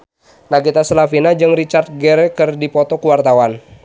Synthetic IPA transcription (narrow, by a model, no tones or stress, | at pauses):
naɡit̪asəlafinad͡ʒɨŋrit͡ʃart̪̚ɡɛɾɛkɨrdipɔt̪ɔkuwart̪awan